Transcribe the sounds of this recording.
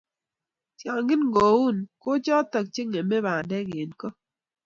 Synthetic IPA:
tja˨ŋɡɪ˦nŋɡo˨wu˦˨nko˦t͡ʃɔ˦t̪ɔ˨k̚t͡ʃe˦ŋe˨mɛ˦βa˨dɛ˦ɡe˨nkɔ˦

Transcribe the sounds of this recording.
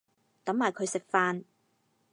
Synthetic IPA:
t̪ɐ˨˥mːaː˨˩jkʰɵ˨˧ɥsɪ˨k̚faː˧n

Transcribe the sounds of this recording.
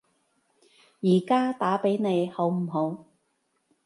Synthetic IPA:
jiː˨˩kaː˥t̪aː˨˥pe˨˥jne˨˧jho˨˥wm̩˨˩ɦo˨˧˥w

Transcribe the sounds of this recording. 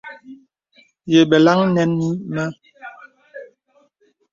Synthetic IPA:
je˨ɓɛ˨la˦ŋnɛ˦ni˦mɛ˦

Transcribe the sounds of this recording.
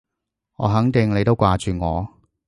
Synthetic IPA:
ŋɔ̰ː˨˧ɦɐ˨˥ŋt̪ɪ˨˧ŋnle˨˧jt̪o˥wkʷaː˨t͡ʃyː˨ŋɔ̰ː˨˧

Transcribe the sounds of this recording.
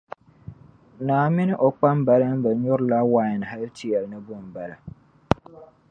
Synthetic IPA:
naː˨mɪ˦nɪ˦ʔo˨k͡pa˦m˦ba˨lɨ˦m˦bɨ˨ɲʊ˦ɾla˦wa˦jɪ˨n˨ɦa˦ltɪ˦jɛ˨lnɨ˦bʊ˦˨m˨ba˨la˨

